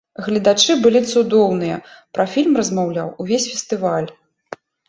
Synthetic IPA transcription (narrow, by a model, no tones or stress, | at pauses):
ɣlʲɐd̪at͡ʂɨbɨlʲit̪sud̪ɔwnɨjɐ̰pɾɐfʲilʲmrɐzmawlʲa̰wuvʲesʲfʲɛst̪ɨvalʲ